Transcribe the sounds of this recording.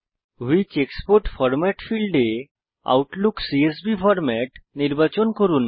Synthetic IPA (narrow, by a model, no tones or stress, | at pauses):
ɦuit͡ɕekspoɾʈfɔɾmɛʈfilɖe | a̰wʈluksies̬bifɔɾmɛʈniɾbat͡ɕɔnkɔɾuːn